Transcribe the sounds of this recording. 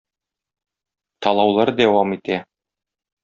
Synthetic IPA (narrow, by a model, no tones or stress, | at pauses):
t̪ɒlˠɑwlˠɑɾd̪æwɑmit̪æ